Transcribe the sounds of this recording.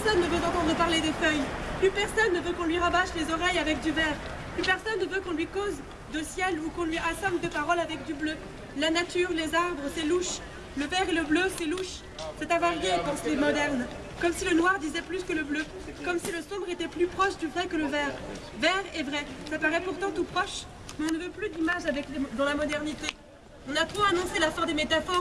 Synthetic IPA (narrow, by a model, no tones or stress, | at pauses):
pɛsɔnːəvøt̪ɑ̃t̪ɑ̃d̪ʁəpaʁled̪efœjplypɛʁsɔnːəvøkɔ̃lɥiʁabaʃlezɔʁɛjavɛk̚d̪yvɛʁ | plypɛʁsɔnːəvøkɔ̃lɥikoz | d̪əsjɛlukɔ̃lɥiasɑ̃bd̪əpaʁɔlavɛk̚d̪yblø | lanat̪yʁlezaʁbʁəsɛluʃ | ləvɛʁeləbløsɛluʃ | sɛt̪avaʁjepɑ̃semɔd̪ɛʁn | kɔmsilənwaʁd̪izɛplyskələblø | kɔmsiləsɔ̃bʁet̪ɛplypχɔʃd̪yvʁɛkələvɛʁ | vɛʁɛvʁɛsapaʁɛpuʁt̪ɑ̃t̪upχɔʃ | mɛɔ̃nəvøplyd̪imaʒavɛkld̪ɑ̃lamɔd̪ɛʁnit̪e | ɔ̃nat̪χoanɔ̃selafɛ̃d̪emet̪afɔʁ